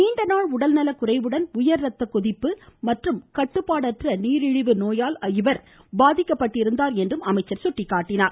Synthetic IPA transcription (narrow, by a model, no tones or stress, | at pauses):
niːɳɖɐnaːɭʊɽɐlnɐlɐkʊrɐɪʋɯɽɐnʊjɐɾɾɐt̪ːɐkʊðɪpːɯmɐʈrɯmkɐʈːɯpːaːɽɐʈrɐniːɾɪɻɯʋɯnoːjaːlɐɪʋɐɾ | baːðɪkːɐpːɐʈːɪɾɯnd̪aːɾɛndrɯmɐmɐɪt͡ʃːɐɾsʊʈːɪkːaːʈːɪnaːɾ